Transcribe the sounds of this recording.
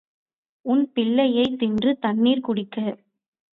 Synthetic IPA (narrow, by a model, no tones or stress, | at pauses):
ʊnpɪɭːɐjɐɪt̪ːɪndrɯt̪ɐnːiːɾkʊɽɪkːɐ